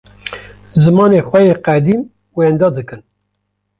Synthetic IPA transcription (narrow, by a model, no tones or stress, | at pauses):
zɨmɑːneːxʷɛjeːqæd̪iːm | wend̪ɑːd̪ɨkɨn